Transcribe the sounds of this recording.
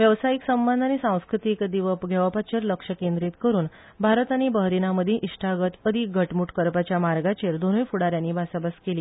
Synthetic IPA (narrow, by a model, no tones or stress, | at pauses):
ʋjəʋsaiksəmbənd̪ʱanisãw̃skɾut̪ikd̪iʋɡʱɛʋapat͡ɕeɾləkʂəkend̪ɾit̪kəɾuːn | bʱaɾt̪anibəɦɾinaməd̪ʱjeʔiʂʈʰaɡət̪əd̪ʱiɡʱəʈmuʈkəɾpat͡ɕjamaɾɡat͡ɕeɾd̪onəjfuɽaɾjaniːbʱasabaskeliː